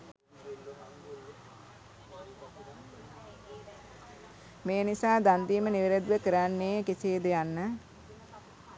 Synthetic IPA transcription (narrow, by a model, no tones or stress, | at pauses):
meːnisaːd̪and̪iːməniʋeɾed̪ʋəkəɾanːeːkiseːd̪əjanːə